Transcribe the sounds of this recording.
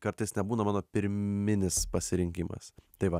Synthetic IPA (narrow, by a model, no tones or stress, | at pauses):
kɐɾt̪ɐɪsnʲɛbuːnɐmɑːnoːpʲɪɾʲmʲɪnʲɪspɐsʲɪɾʲɪŋʲkʲɪmɐ̰st̪ɐɪʋɐ